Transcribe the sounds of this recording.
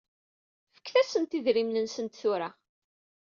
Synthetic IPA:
fə̥kːθæsənt̪iðɾimnənsənt̪θʊɾa

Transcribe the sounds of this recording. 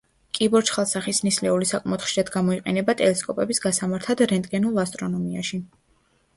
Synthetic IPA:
kʼibɔɾt͡ʃχalˠsaχisnislɛulisakʼmɛɔt̪χʃiɾad̪ɡamɔiqʼɛ̰nɛbat̪ʼɛlɛskʼɔpʼɛbisɡasamaɾt̪ʰad̪ɾɛnt̪ʼɡɛnulˠast̪ʼɾɔnɔmia̰ʃi

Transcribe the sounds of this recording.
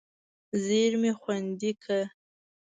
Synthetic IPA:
zeɾmexwand̪ikʰa

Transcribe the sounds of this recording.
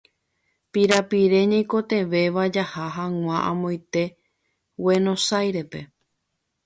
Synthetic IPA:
piɾapiɾe̞ɲãj̃ko̞t̪ẽ̞ʋe̞ʋad͡ʒahaɦãŋ̃ʷãʔã̰mõjt̪e̞ | we̞nõ̞sajɾe̞pe

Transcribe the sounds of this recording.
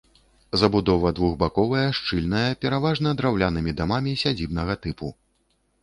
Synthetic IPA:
zɐbud̪ɔvɐd̪vuɣbakɔvɐjɐʂt͡ʂɨlʲnɐjɐpʲɛɾavaʐnɐd̪ɾawlʲanɨmʲid̪amamʲisʲad͡zʲibnɐɣɐt̪ɨpu

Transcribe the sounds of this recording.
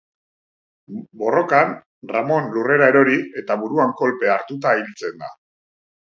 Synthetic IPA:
bo̞ro̞kan | ramo̞nlure̞ɾae̞ɾo̞ɾie̞t̪aβuɾuaŋko̞lpe̞aɾt̪ut̪̬ailt͡se̞nd̪a̰

